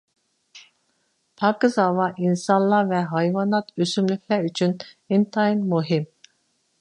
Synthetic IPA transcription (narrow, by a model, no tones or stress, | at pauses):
pʰɑkɨzɑvɑʔinsɑnlˠɑvɛɦɑjvɑnɑt̪ʰøsymlykʲʰlɛɾyt͡ʃʰyn | int̪ʰɑinmuɦim